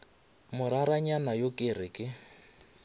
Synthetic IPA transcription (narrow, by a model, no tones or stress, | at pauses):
mʊɾaɾaɲanajokʼɪrɪkʼɪ